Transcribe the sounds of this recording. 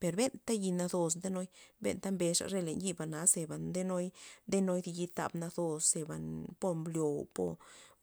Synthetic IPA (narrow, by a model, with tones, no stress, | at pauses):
pe˨ɾbe˦nt̪a˦ji˧na˧d̪o˧s̬nd̪e˦no˦jbḛ˦nt̪a˦mbe˧ʂa̰˧˨ɾe˦˧le˨nji˦˧ba˨na˨˦se˨ba˨nd̪e˦no˦jd̪e˦no˦jd̪i˧ji˧t̪a̰˧bna˧d̪o˧sse˧˨ba̰˨npo˧mbljo˨po̰˧˦